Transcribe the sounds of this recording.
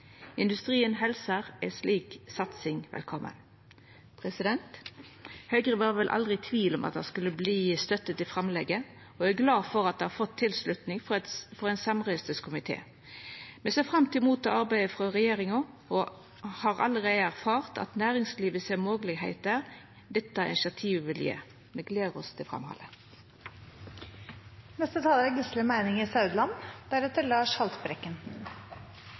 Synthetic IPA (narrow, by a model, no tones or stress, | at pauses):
ɪnd̪ʉst̪ʁiːənɦɛlsəʁɛsliːksɑt̪sɪŋʋɛ̰lkʰɔmːʔə̰n | pʰʁɛsɪd̪ɛnt̪ | hœʏɡʁəʋɑːʁʋɛlʔɑ̰ld̪ʁɪt̪ʰʋiːlɔmʔɑ̰t̪̚d̪ɛ̰skʉlːəbliːst̪œt̪ːət̪ɪfʁɑmlɛɡːə | ɔæɡlɑːfɔʁɑt̪̚d̪ɛhɑfɔt̪ʰːɪlslʉt̪nɪŋfɔɾɛɪnsɑmʁœst̪əskʰʊmɪt̪ʰḛː | mɛseːfʁɑmt̪ɪmuːt̪ɔɑʁbæɪəfʁɑʁɛjeːʁɪŋɔɔ | hɑːʁɑ̰ləʁeɪəæʁfɑːʁt̪ʰɑ̰t̪næːʁɪŋsliːʋəsemoːɡlɪɡhæɪt̪əʁ | d̪ɛt̪ːɑɪ̰nɪʃɑt̪ʰiːʋʋɪljḛː | mɛɡleːʁɔst̪ʰɪfʁɑ̰mhɑ̰lə | nɛst̪ət̪ʰɑːləæɡʉsləmæɪnɪŋɪsɑʉd̪lɑnd̪̥æɾɛt̪əɾlɑːʂhɑlt̪bɾɛkːənn̩